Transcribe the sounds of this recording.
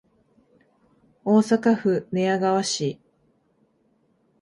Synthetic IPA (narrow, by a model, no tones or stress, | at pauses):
o̞ːsakaɸɯ̟ne̞aɡaβaɕi